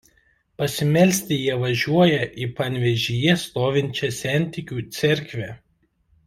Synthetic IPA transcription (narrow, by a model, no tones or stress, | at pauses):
pɐsʲɪmʲɛlʲsʲt̪ʲɪjiɛʋɐʒʲuɔjɛʔiːpɐnʲʋʲɛʒʲijɛst̪oːʋʲɪnʲt͡ʃʲɛsʲæˑnʲˑt̪ʲɪkʲuːt̪sʲɛɾʲkʲʋʲɛː